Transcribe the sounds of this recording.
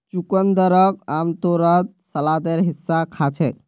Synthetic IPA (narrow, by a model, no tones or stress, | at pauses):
t͡ʃukənd̪əɾək̚amt̪oɾət̪̚ | səlad̪eɾɦisːakʰat͡ʃʰɛ